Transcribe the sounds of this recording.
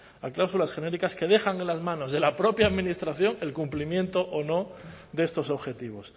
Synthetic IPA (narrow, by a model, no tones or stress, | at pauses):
aklawsulasxe̞ne̞ɾikaske̞ð̞e̞xaŋe̞nlazmãno̞zðe̞lapɾo̞pjaːðmĩnist̪ɾaθjo̞ŋe̞lkumplimjẽ̞nt̪o̞ʔono̞ | d̪e̞st̪o̞so̞βxe̞t̪iβ̞o̞s